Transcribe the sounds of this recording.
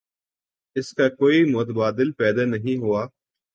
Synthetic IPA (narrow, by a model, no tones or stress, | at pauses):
ɪskakoːimʊt̪əbaːd̪ɪlpɛːd̪anɐɦĩɦʊaː